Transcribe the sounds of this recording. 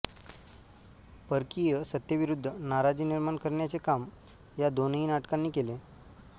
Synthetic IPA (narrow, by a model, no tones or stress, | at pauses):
pəɾkijəsət̪jəʋiɾud̪ʱːənaɾad͡ʑiːniɾmaɳkəɾɳjat͡sekam | jad̪oniːnaʈkanːiːkele